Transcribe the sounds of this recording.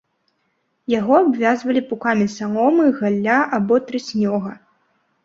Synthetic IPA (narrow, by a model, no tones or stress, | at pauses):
jaɣɔabvʲazvɐlʲipukamʲisalɔmɨɣalʲːaʔabɔt̪ɾɨsʲnʲɔɣɐ